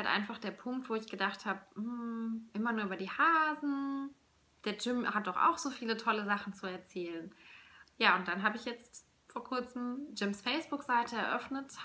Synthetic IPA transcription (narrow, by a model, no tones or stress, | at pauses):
haltʔa̰ɪnfaχd̥eːɐpʰʊŋk̚tv̥oːɪçɡ̥ədaχthaːbəm̩ʔɪmɐnuɐyːbɐdiːhaːzn̩ | d̥eːɐd͡ʒɪmhat̚d̥ɔχʔa̰ʊxz̥oːfiːlətʰɔləzaχn̩t͡suɛɐt͡sɛːlənjaːʊnt̚d̥anɦaːbəɪçjɛt͡st | foːɐkʰʊɐt͡sm̩d͡ʒɪmsfɛɪsb̥ʊkz̥aɪtʰəɛɐʔœfnət